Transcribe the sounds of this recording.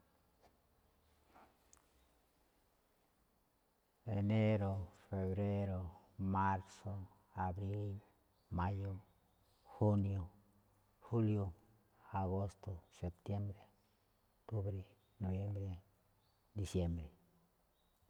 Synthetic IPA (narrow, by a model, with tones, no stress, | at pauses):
e˨ne˦ɾo˨fe˨βɾe˦ɾo˧ | ma˦ɾso˨˧ | a˨bɾi˦l | ma˦jo˦ | xu˦njo˨ | xu˦ljo˦ | a˨ɣo˦st̪o˨se˨p̚t̪je˦mbɾe˨ | ot̪u˦bɾe˦ | no˨bje˦mbɾe˨ | d̪i˨˧sje˦mbɾe˨